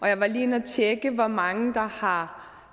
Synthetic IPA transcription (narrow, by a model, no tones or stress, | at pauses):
ʔɒ̽jäɪʋɑ̈liːenæt͡ɕʰeɡ̥əʋɒmɑ̈ŋəd̥ɑ̈hɑ̈